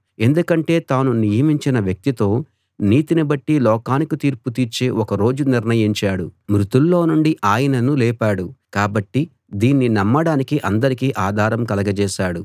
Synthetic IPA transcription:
e̞nd̪ukɐɳʈe̞ːt̪aːnunijɐmiɲt͡ʃinɐʋjɐk̚t̪it̪o̞ː | niːt̪inibɐʈːilɔːkaːnikut̪iːɾput̪iːɾt͡ʃeːʔɔkɐɾo̞ːd͡ʒuniɾnɐjiɲt͡ʃaːɽumɾut̪ulːo̞ːnuɳɖiʔaːjɐnɐnulɛːpaːɽukaːbɐʈːi | d̪iːnːinɐmːɐɽaːnikiʔɐnd̪ɐɾikiʔaːd̪ʱaːɾɐmkɐlɐɡɐt͡ʃɛːʃaːɽu

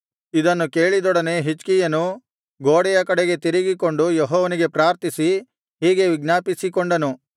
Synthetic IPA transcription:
id̪ɐnːuke̞ːɭid̪ɔɽɐne̞ɦit͡ʃkijɐnu | ɡoːɽɛjɐkɐɽeɡe̞t̪iɾiɡiko̞ɳɖujeɦɔːʋɐniɡe̞pɾaːɾt̪isi | ɦiːɡe̞ʋiɡnaːpisikoɳɖɐnu

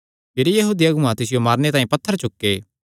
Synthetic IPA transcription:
pɪɾijɐɦuːd̪ijaɡʊ̃ãt̪ɪs̬ɪjomaːɾnet̪ãːĩpɐt̪ʰːəɾt͡ʃʊkːeː

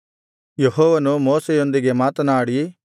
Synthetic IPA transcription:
jeɦɔːʋɐnumoːsejo̞nd̪iɡe̞maːt̪ɐnaːɽi

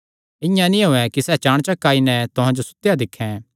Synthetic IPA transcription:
ɪ̃jãnĩɦoɛkisɛːt͡ʃaːɽ̃t͡ʃakaːinɛt̪ʊɦãd͡ʒosʊ̥t̪ːjad̪ɪkʰːɛ̃

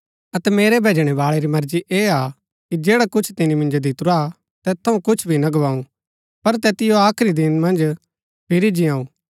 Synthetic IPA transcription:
ɐt̪ɛmeːɾebʱeːd͡ʒɽ̃ɛβaːɭeɾimɐɾd͡ʒiʔeːa | kid͡ʒɛːɽakʊt͡ʃʰt̪ɪnimɪ̃nd͡ʒod̪ɪt̪ʊɾa | t̪ɛːt̪ʰːɐũkʊt͡ʃʰbʱinɐɡɐʋaːũ | pɐɾt̪ɛːt̪ɪjoaːkʰɾid̪ɪnmɐ̃nd͡ʒ | pʰɪɾid͡ʒijãːũː

